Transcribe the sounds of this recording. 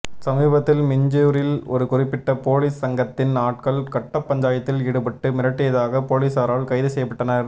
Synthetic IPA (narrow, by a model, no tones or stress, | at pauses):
sɐmiːbɐt̪ːɪlmɪɲd͡ʒɪjuɾɪlɔ̰ɾɯkʊrɪpːɪʈːɐpoːliːsːɐŋɡɐt̪ːɪnnaːʈ̚kɐɭkɐʈːɐpːɐɲd͡ʒaːjɐt̪ːɪlɪɽɯpɐʈːɯmɪɾɐʈːɪjɐðaːɣɐpoːliːsaːɾaːlkɐɪðɯsɛjɐpːɐʈːɐnɐɾ